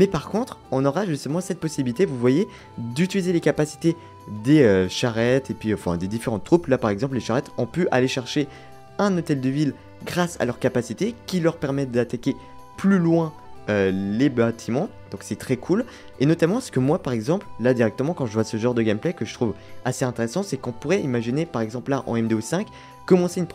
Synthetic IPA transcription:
mɛpaʁkɔ̃t̪χɔ̃nɔʁaʒyst̪əmɑ̃sɛt̪̚pɔsibilit̪evuvwaje | d̪yt̪ilizelekapasi̥t̪e | d̪eøʃaʁɛt̪epɥiɑ̃fɛ̃d̪ed̪ifeʁɑ̃t̪ːχuplapaʁɛɡzɑ̃p̬leʃaʁɛt̪ɔ̃pøʔaleʃɛʁʃe | ɛ̃not̪ɛld̪əvil | ɡʁasa̰lœʁkapasit̪ekʲilœʁpɛʁmɛt̪̚d̪at̪akʲe | plylwɛ̃ | ølebat̪ʰimɑ̃d̪ɔ̃ksɛt̪χɛkʰul | enɔt̪amɑ̃sə̥kəmwapaʁɛɡzɑ̃pllad̪iʁɛk̚t̪əmɑ̃kɑ̃ʒəvwasəʒɑ̃ʁd̪əɡʲɛmplɛkəʒət̪χuvaseɛ̃t̪eʁesɑ̃sɛkɔ̃puʁɛimaʒinepaʁɛɡzɑ̃pllaʔɑ̰̃ɛmd̪eosɛ̃k | kːɔmɑ̃seynp

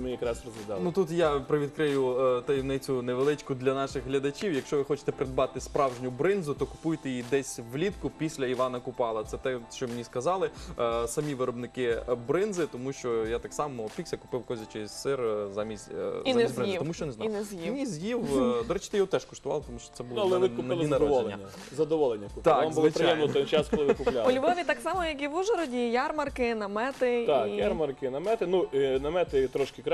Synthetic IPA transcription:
mɪjɐkɾɑsrɔzʋʲɪd̪ɑnut̪ut̪japɾɪʋʲid̪kɾɪjʊt̪ɔjɛwnɪt͡sʲʊneʋelˠɪt͡ʃkʊd̪lʲɐnɑʃɪɣɦlʲɐd̪ɐt͡ʃʲiwjɐkʃt͡ʃɔʋɪxɔt͡ʃɪ̥t̪ɛpɾɪd̪bɑt̪ɪspɾɑwʒnʲʊbɾɪnzʊt̪ɔkʊ̥pujt̪ejid̪ɛsʲʋlʲit̪kʊpʲisʲlʲɐiʋɑnɐkʊpɑlˠɐt̪sɛt̪ɛʃt͡ʃɔmenʲiskɐzɑlˠɪsɐmʲiʋɪɾɔbnɪkɪbɾɪnzɪt̪ɔmuʃt͡ʃɔjat̪ɑksɑmɔpʲiksʲɐkʊ̥pɪwkɔzʲɐt͡ʃesʲsɪrzamʲisʲinsʲbɾɪnziɪt̪ɔmuʃt͡ʃɔneznɑjnɛzjimʲizʲjiwd̪ɔɾɛt͡ʃɪt̪ɪjɔɦɔt̪ɛʃkɔʃt̪ʊʋɑ̰lˠpt̪ɔmuʃt͡ʃɔ̥t̪sɛbulˠɐlˠɛʋɪkʊɪlˠɪinɐd̪ɔɔlˠʲːɐnʲːɐ | zɐd̪ɔʋɔlˠenʲːɐkʊ̥t̪akamzʊɐlˠpɾɪjɛmlɪt̪ɔt͡ʃaskɔlˠɪʋɪkʊlʲaɔlʲʋɔɔʋʲit̪ɑksɑmɔjɐkiʋuʒɛɾɔdʲijarmɐrkɪnɐmɛt̪ɪt̪akjarmɐrkɪnɐmɛt̪ɪnuinɐmɛt̪ɪt̪ɾɔʃkɪkɾ

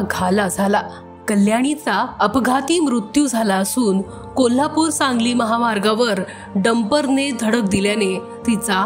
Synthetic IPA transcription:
ɡʱalad͡zʱala | kəljaɽ̃it͡saəpɡʱat̪iːmɾut̪jud͡zʱalaəsuːn | kol̤apuːɾt͡ssãŋɡliːməɦamaɾɡaʋəɾ | ɖəmpəɾned̪ʱəɽək̚d̪iljane | t̪it͡sa

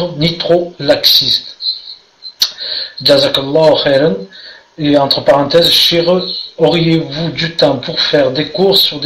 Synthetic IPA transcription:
nit̪χolaksist̪ | d͡ʒazakalːɑɦxɛɾan | eɑ̃t̪χəpaʁɑ̃t̪ɛzʃeʁøɔʁijevud̪yt̪ɑ̃puʁfɛʁd̪ekuʁsyʁd̪

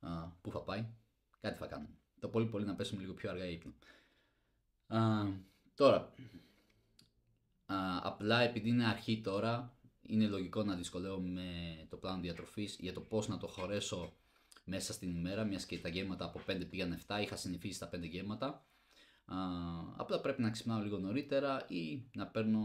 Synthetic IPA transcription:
puθɐpɐj | kɐt̪iθɐkɐnun | t̪opo̞lipo̞linɐpe̞sumeliɣo̞pço̞ɐɾɣɐipnɐ | t̪o̞ɾɐ | ɐ̰plɐe̞piðiine̞ɐɾçit̪o̞ɾɐḭne̞lo̞ʝiko̞nɐðisko̞leome̞t̪o̞plɐnoðiɐt̪ɾo̞fizʝɐt̪o̞po̞znɐt̪o̞xo̞ɾe̞so̞ | me̞sɐst̪inime̞ɾɐmɲɐscet̪ɐʝe̞vmɐt̪ɐːpo̞pe̞nd̪e̞piɣɐne̞ft̪ɐixɐsiniθisist̪ɐpend̪e̞ʝe̞mɐt̪ɐ | ɐ̰plɐpɾe̞pinɐeksi̥pnɐno̞liɣo̞no̞ɾit̪e̞ɾɐinɐpe̞ɾno̞

